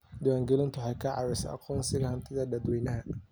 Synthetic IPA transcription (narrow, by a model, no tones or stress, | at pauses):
d̪ʊwaːŋɡɛlɪnt̪ʰʊħɑjkʰɐʕɑ̰ɾɛjsɐ̰ʔɑ̰qʰɔːnsɪɣɐhɐnt̪ʰɪðɐd̪ɐd̪wɛːnɐɦɐ